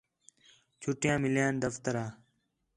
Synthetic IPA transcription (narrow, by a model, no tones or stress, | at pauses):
t͡ʃʰʊʈjãːmɪljãːnd̪əft̪əɾaː